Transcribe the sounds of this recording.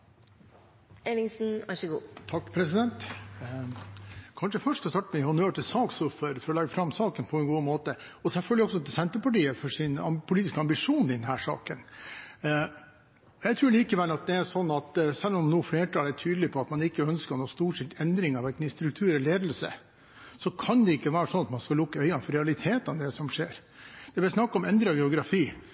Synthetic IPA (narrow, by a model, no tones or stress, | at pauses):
elɪŋsn̩ɑʂəɡṵːt̪ʰɑkːpʰɾɛsɪd̪ɛnt̪ | kʰɑnʂəfœʂʈ̪ɔst̪ɑʈːəmɛɪhʊnøːʈɪlsɑːksɔfɔɾfɔɾɔlɑɡːəfɾɑmsɑːkənpʰɔɛnɡuːmoːt̪ə | ɔsɛlfœlɡ̪lɪɔksɔt̪ːɛsɛnt̪əpɑʈiːəfɔʂɪnɑ̰pʰʊliːt̪ɪskəɑmbɪʂuːnɪd̪ɛnhæːʂɑ̰ːkən | ɔjæɪt̪ʰɾʉːɭiːkəʋɛlːɑt̪̚d̪ɛæʂɔnːɑt̪sɛlːɔmnuːfleːʈʰɑːlætʰyːd̪lɪpʰɔɑt̪mɑnɪkːəœnskəɳoːst̪uːʂɪt̪ɛnd̪ɾɪŋɑʋɛkniːst̪ɾʉkt̪ʰʉːɾɛleːd̪l̩sə̰ | sɔkʰɑnd̪ɛɪkːəʋæːɾəsɔnːɑt̪mɑnskɑlʊkːəœʏɑnfɔɾɛɑlɪt̪ʰeːt̪ɑʋd̪ɛsɔmʂḛːɾ | d̪̥ɛb̪ɪsnɑkːɑɔmɛnd̪ɾəɑɡɛʊɡɾɑfiː